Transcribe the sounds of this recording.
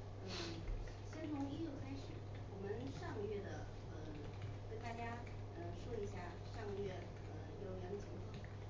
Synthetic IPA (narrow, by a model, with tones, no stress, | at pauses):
n̩˥˩ | ɕjɛ˥nt̪ʰʊ˧˥ŋi˥jo˥˧˩ʊkʰa˥ɪʂɻ̩˨˩˦ | wɔ˨˩mə˦nʂɑ˥˧ŋɡə˧ɥɛ˥˩d̪ə˩ | ə˧ | ke˥˩ɪt̪a˥˩t͡ɕja˥ | ə˧ʂwɔ˥i˧˥ɕja˥˩ | ʂɑ˥˩˧ŋɡə˧˩ɥɛ˥˩ | ə˧˩jo˧˥ʊjɛ˧˥ŋt͡ɕʰi˧˥ŋt̪ʰɑ˨˩˦